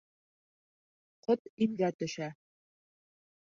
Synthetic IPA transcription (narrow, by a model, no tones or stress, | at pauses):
qot̪imɡæt̪ɵ̆ʃæ